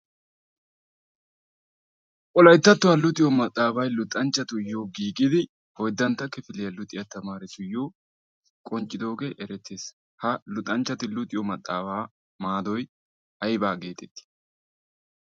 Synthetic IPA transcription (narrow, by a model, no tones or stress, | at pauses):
kʼɔlɐjt̪ːɐt̪ːʊwɐlʊt̪ʼɪjɔmɐt̪ʼːaːbɐjlʊt̪ʼːɐnt͡ʃːɐt̪ʊjoːɡiːkʼɪd̪ɪ | hɔjd̪ːɐnt̪ːɐkːɛfɪlɪjɐlʊt̪ʼɪjɐt̪ɐmaːɾɪt̪ʊjoː | kʼɔnt͡ʃʼːɪd̪o̞ːɡɛʔɛɾɛt̪ːeːs | hɐlʊt̪ʼːɐnt͡ʃːɐt̪ɪlʊt̪ʼɪjɔmɐt̪ʼːaːbaː | maːd̪ɔj | ʔɐjbaːɡe̞ːt̪ɛt̪ːɪ̥